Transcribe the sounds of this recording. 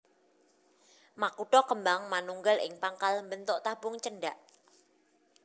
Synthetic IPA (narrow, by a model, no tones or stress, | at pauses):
makuʈɔkəmbaŋmanuŋɡəlɪ̰ŋpaŋkalmbənt̪ʊʔt̪abʊŋt͡ʃəɳɖaʔ